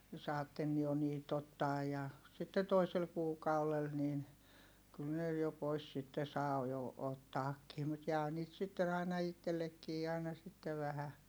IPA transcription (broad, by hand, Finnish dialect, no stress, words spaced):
sɑːtːen jo niːt otːɑːj jɑ sitːe toisel kuːkɑulel niːn kyl ne jo pois sitːe sɑː jo otːɑːkːiː mut jæː niːt sitːen ɑinɑ itːelːekːiː ɑˑinɑ sitːeʋ ʋæhæ